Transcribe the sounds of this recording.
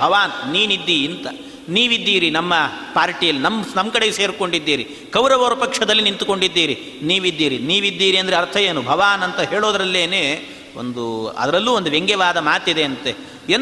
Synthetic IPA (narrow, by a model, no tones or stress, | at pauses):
bʱɐʋaːnniːnid̪ːiːnt̪ɐ | niːʋid̪ːiːɾinɐmːɐpaːɾʈijɐlːinɐmnɐmːkɐɽeɡse̞ːɾko̞ɳɖid̪ːiːɾi | kɐwɾɐʋɐːɾɐpɐkʂɐd̪ɐlːinint̪uko̞ɳɖid̪ːiːɾi | niːʋid̪ːiːɾiniːʋid̪ːiːɾiɐnd̪ɐɾeɐɾt̪ʰɐjeːnubʱɐʋaːnɐnt̪ɐɦe̞ːɭoːd̪ɐɾɐlːeːneː | o̰nd̪uɐ̰d̪ɐɾɐlːuːond̪uʋeŋɡɛʋaːd̪ɐmaːt̪id̪e̞ɐnt̪e | en